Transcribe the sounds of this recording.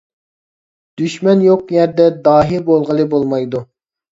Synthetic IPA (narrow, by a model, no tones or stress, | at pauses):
d̪̥yʃmɛnjoqjɛɾd̪ɛd̪ɑːɦiɾbolˠʁəlˠɨbolˠmɑjd̪u